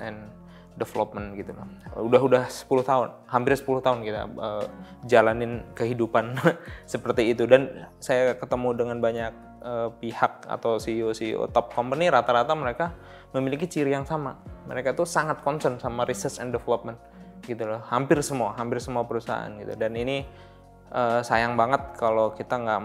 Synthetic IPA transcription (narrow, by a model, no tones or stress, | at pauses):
ɛn | dɛfəlɔp̚mənɡit̪ulɔudaɦudahsə̥pulʊht̪aʊnhampɪrsə̥pulʊht̪aʊnkit̪a̰əd͡ʒalanɪnkəɦidupansəpərt̪iːt̪udansajakət̪əmudəŋanbaɲak̚ | əːpihak̚a̰t̪awsiosio̰t̪ɔp̚kɔmpəniɾat̪aɾat̪aməɾeka | məmilikit͡ʃiɾijaŋsamamə̰ɾekait̪usaŋat̪̚kɔnsənsamaɾisəsɛndɛfələp̚mɛnt̪̚ɡ̥it̪ulɔhhampɪrsəmuaɦampɪrsəmuapəɾusaaa̰nɡit̪ṵdanini | ʔəːsajaŋbaŋət̪̚kʰalokit̪aŋɡaʔ